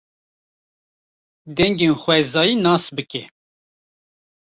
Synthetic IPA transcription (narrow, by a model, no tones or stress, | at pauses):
d̪ɛŋɡenxʷwɛzɑːjinɑːsbɨkɛ